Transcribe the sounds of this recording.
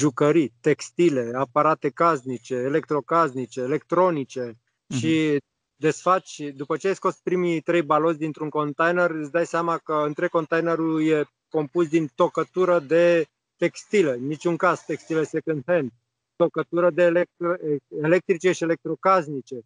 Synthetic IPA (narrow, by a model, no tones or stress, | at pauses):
ʒukəɾit̪e̞kst̪ile̞apaɾat̪e̞kaznit͡ʃe̞ːle̞k̚t̪ɾo̞kaznit͡ʃe̞ːle̞kt̪ɾo̞nit͡ʃe̞ | ʃi | d̪e̞sfat͡ʃd̪upət͡ʃeajsko̞spɾimit̪ɾe̞jbalo̞t̪sʲd̪int̪ɾuŋko̞nt̪ajnerɨt̪sʲd̪ajseamakəɨnt̪ɾeɡ̚ko̞nt̪ajneɾulje̞ | ko̞mpusd̪int̪o̞kət̪uɾəd̪e̞ | t̪e̞kst̪ile̞nːit͡ʃʲuŋkazt̪ekst̪ile̞se̞kɨnd̪ɦend̪ | t̪o̞kət̪uɾəd̪elek̚t̪ɾele̞k̚t̪ɾit͡ʃe̞ʃiele̞k̚t̪ɾo̞kaznit͡ʃe̞